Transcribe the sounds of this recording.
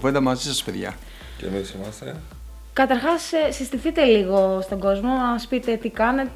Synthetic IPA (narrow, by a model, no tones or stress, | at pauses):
vend̪ɐmɐzisɐspeðʝɐ̰ | ḛmisimɐst̪ḛ | kɐt̪ɐɾxɐssist̪iθit̪e̞liɣo̞st̪o̞ŋɡo̞zmo̞ɐspit̪e̞t̪ikɐne̞t̪